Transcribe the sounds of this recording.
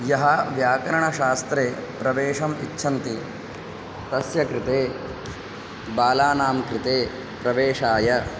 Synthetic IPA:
jɐɦɐʋjaːkɐɾɐɳɐʃaːst̪ɾeːpɾɐʋeːʂɐmitːʃʰɐnt̪i | t̪ɐsjɐkɾɪt̪eː | baːlaːnaːmkɾɪt̪eː | pɾɐʋeːʂaːjɐ

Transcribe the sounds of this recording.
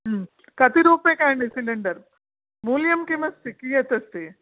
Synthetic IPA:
kɐt̪iɾoːpekaːɳɖisilɐɳɖɐɾ | muljɐmkimɐst̪ikiːjɐt̪ɐst̪e

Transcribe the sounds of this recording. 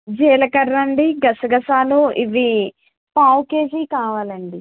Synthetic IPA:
d͡ʒɛːlɐkɐɾːɐɳɖiɡɐsɐɡɐsaːloːʔiʋi | paːwkeːd͡ʒiːkaːʋaːlɐɳɖi

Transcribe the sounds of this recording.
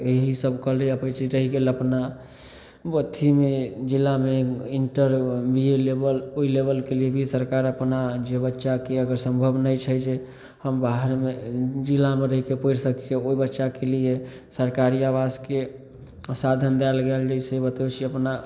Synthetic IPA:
eɦisəbʱkəɦleəpət͡ʃiɾəɦiɡeləpna | bət̪ʰimed͡ʒilːameiɳʈəɾbielebəloilebəlkeliebʱisəɾkaɾəpnad͡ʒebətːʃakeəɡəɾsəmbʱəbnəjt͡ʃʰəjd͡ʒe | həmbaɦəɾmed͡ʒilːameɾəɦikepəiɾsəkt͡ʃeoibətːʃakelije | səɾkaɾiabaske | sad̪ʱənd̪ɛlɡeld͡ʒəisebət̪et͡ʃʰiəpna

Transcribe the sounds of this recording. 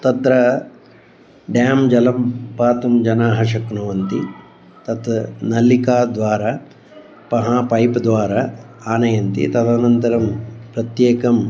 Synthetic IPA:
t̪ɐt̪ɾɐ | ɖjaːmd͡ʒɐlɐmpaːt̪ɐmd͡ʒɐnaːɦɐʂɐknɐʋɐnt̪i | t̪ɐt̪nɐlikaːd̪ʋaːɾaː | pɐɦaːpɐjpɐd̪ʋaːɾaː | aːnɐjɐnt̪ḭt̪ɐd̪aːnɐnt̪ɐɾɐmpɾɐt̪jeːkɐm

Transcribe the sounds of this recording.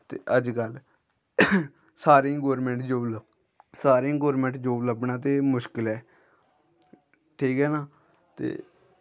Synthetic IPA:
t̪ḛːʔəd͡ʒkəl | saːɾẽːɡoːɾmẽːɳʈd͡ʒoːlə | saːɾẽːɡoːɾmẽːɳʈd͡ʒoːbləbɳaːt̪̬eːmʊʃkɪlɛː | ʈʰiːkɦɛːnaː | t̪ḛː

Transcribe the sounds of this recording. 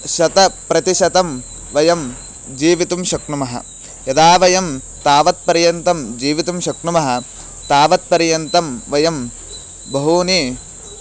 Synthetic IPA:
ʃɐt̪ɐpɾɐt̪iʃɐt̪ɐm | ʋɐjɐm | d͡ʒiːʋit̪umʃɐkɳumɐɦɐ̰ | jɐd̪aːʋɐjɐm | t̪aːʋɐt̪̚pɐɾjɐnt̪ɐmd͡ʒiːʋit̪umʃɐkɳumɐɦɐ̆ | t̪aːʋɐt̪̚pɐɾjɐnt̪ɐmʋɐjɐm | bɐɦuːni

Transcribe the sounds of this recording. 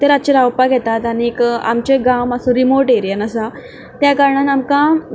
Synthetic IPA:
t̪eɾat͡ɕeɾawpaɡʱɛt̪at̪anika̰mt͡ɕeɡaməsõɾimoɾʈeɾjənəsa | t̪jakaɾɳanamkã

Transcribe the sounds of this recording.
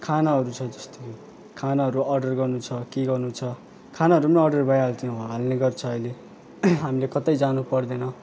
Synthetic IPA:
kʰanaɦʌɾut͡sʰʌd͡zʌst̪o | kʰanaɦʌɾuʌrɖʌrɡʌrnut͡sʰʌkeɡʌrnut͡sʰʌ | kʰanaɦʌɾumʌnʌrɖʌrbajaɦalt̪ij̃ɦɡalneɡʌrt͡sʰʌʌjle | ɦamilekʌt̪ʌjd͡zanupʌrd̪enʌ

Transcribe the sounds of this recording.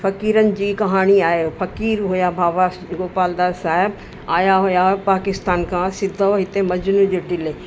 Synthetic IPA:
fɐkiːɾənɪ̆d͡ʑiːkɐɦaːɽ̃iaːɦefɐkiːɾɦujabʱaːʋa | ɡoːpaːld̪aːɾsaːɦɪb | aːjaɦujapaːkɪst̪aːnkʰãsɪd̪ʱoɦɪt̪emɐd͡ʑnũd͡ʑoːɖɪleː

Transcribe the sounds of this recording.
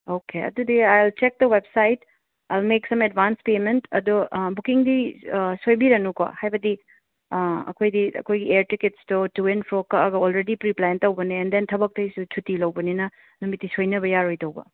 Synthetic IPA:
okʰeɐ̰dudiajlt͡ʃek̚dɐwebsajt | ajlmeksɐmedbanspementɐ̰dobukiŋdisojbiɾɐnuko̰hajbɐdi | ɐ̰kʰojdiɐ̰kʰojɡieɾtiketstotuenpʰɾokɐɐɡɐolɾedipɾiplajntɐwbɐniɛndentʰɐbɐk̚tɐjsut͡ʃʰutilɐwbɐninɐ | numitːisojnɐbɐjaɾojtɐwbɐ̰

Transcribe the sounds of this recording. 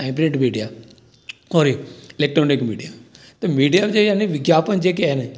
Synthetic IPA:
ãɪ̃pɾeːʈmiːɖijaː | oːɾiɪleːk̚ʈɾoːnɪkmiːɖijaː | t̪emiːɖijaːbd͡ʒejaneʋɪɡjaːpənd͡ʒeːk̬eɛne

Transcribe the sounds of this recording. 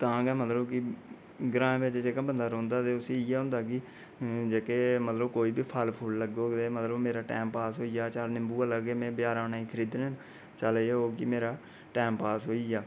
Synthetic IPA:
t̪ãːɡɛːmət̪ləbkɪ | ɡɾãːẽbɪt͡ʃd͡ʒeːkãːbənd̪aːɾɔ̃ːnd̪aːt̪eːʊseːɪjɛːɦʊ̃nd̪aːki | d͡ʒeːkeːmət̪ləbkoːiːbiːpʰalpʰʊlləɡoːt̪eːmət̪ləbmeːɾaːʈɛ̰ːmpaːsɦoːijaːt͡ʃaːlnɪmbuːələɡeːmɛ̃ːbjaːɾãːnaːiːkʰəɾiːd̪nːn | t͡ʃəlːoːkimeːɾaː | ʈɛːmpaːsɦoːiːjaː

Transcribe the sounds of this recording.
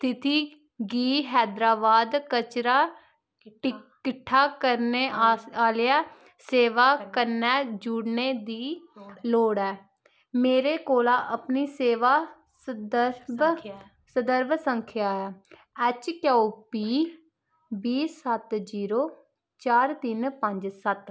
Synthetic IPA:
st̪ʰɪt̪iː | ɡiːɦɛːd̪ɾaːbaːd̪kət͡ʃɾaː | ʈɪkɪʈʰːaːkəɾneːaːljaː | seːʋaːkəɾnɛːd͡ʒuːɽneːd̪iːloːɽɛː | meːɾeːkoːlaːʔəpniːseːʋaː | səd̪əɾb | səd̪əɾbsəŋkʰjaːaː | ɛːt͡ʃkjaːupiː | biːsət̪d͡ʒiːɾoː | t͡ʃaːɾt̪ɪnpəɲd͡ʒsət̪

